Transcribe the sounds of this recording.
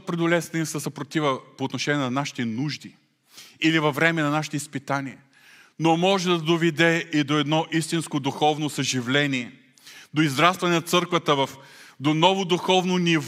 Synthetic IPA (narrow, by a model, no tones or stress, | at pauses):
pɾɛd̪ʊlʲɛst̪nisɐsɐpɾot̪ivəpoːt̪noʃɛniɛnɐnaʃi̥t̪ɛnuʒd̪i | ilivɐvɾɛmɛnɐnaʃi̥t̪oispit̪aniɛ | nomɔʒɛd̪ɐd̪ovɛd̪ɛid̪oɛd̪nɔʔist̪inskod̪uxɔvnosɐʒivlɛniɛ | d̪oizɾast̪vɐnɛnɐt̪sɤɾkvət̪əvɐfd̪onɔvod̪uxɔvnoniv